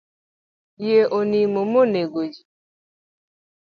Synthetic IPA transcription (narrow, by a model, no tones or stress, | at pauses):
jeʔonimomoneɡod͡ʒi